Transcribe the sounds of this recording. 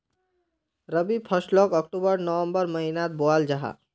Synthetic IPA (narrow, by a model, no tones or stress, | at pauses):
ɾəbipʰəʃlɔːkək̚ʈubəɾnəʋə̃mbəɾmɐɦinaːt̪̚boaːld͡ʒaɦa̰ː